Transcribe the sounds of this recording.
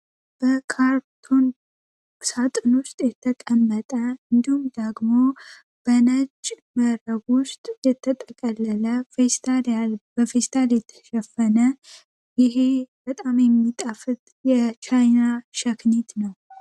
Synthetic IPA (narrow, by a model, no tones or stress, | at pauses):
b̥əkʰaɾt̪ʰon | sat̪ʼɨnwʊst̪ʼjɛt̪ʰəkʼəmːət̪ʼəɨnd̪ihumd̪əɡmo̞ | b̥ənət͡ʃʼː | məɾəɡʊst̪ʼjɛt̪ʰːət̪ʼəkʼəlːələfest̪ʰaljalb̥əfest̪ʰaljɛt̪ʰːə̥ʃɛfːənə | jɪɦe̞bət̪ʼamjɛmːit̪ʼəfɨt̪ | jɛt͡ʃʰajnaʃəknet̪nəw